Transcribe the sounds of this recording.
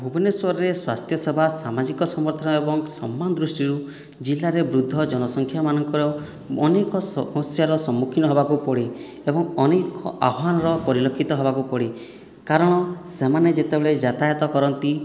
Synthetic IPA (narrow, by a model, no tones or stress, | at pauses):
bʱubɔneswɔɾɔɾeswast̪ʰjɔsebʱasamad͡ʒikɔsɔmɔɾt̪ʰɔnɔebɔŋsɔmːanɔd̪ɾusʈiɾu | d͡ʒilːaɾebɾud̪ʱːɔd͡ʒɔnɔsɔŋkʰjamanɔŋkɔɾɔː | nekɔsɔmɔsjaɾɔsɔmːukʰinɔɦebakupɔɽi | ebɔŋɔnekʰɔʔaɦanɔɾɔpɔɾilɔkʰːit̪ɔɦɔbakupɔɽi | kaɾɔɽ̃ɔsemaned͡ʒet̪ebeɭed͡ʒat̪ajɔt̪ɔkɔɾɔnt̪i